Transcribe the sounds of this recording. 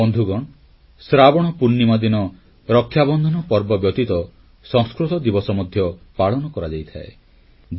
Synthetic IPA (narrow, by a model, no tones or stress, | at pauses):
ɔnd̪ʱuɡɔɳ̃ | sɾabɔɽ̃ɔpunːimad̪inɔ | ɾɔkʰːjabɔnd̪ʱɔnɔpɔɾbɔbjɔt̪it̪ɔ | sɔ̃ŋskɾut̪ɔd̪ibɔsɔmɔd̪ʱjɔpaɭɔnɔkɔɾad͡ʒajt̪ʰaḛ